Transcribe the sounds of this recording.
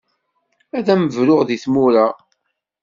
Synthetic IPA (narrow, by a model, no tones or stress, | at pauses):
æðæməvɾʊʁðiθmuɾa